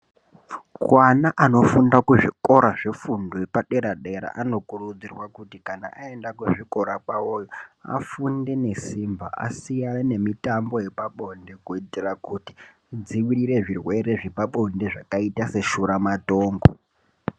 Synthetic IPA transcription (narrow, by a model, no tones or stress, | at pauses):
kwanaʔano̞fundakuʐiko̞ɾaʐefundoepaɗe̞ɾaɗe̞ɾa̰ʔano̞kurud͡zirwakutikana̰ʔae̞ndakuʐiko̞ɾakaojoa̰funde̞ne̞simba̰ʔa̰sijane̞mitambo̞jepaɓo̞nde̞kuitirakuti̥ | d͡ziwiɾiɾe̞ʐirwe̞ɾe̞ʐipaɓo̞ndeʐakaitase̞ʃuɾamato̞ːŋɡo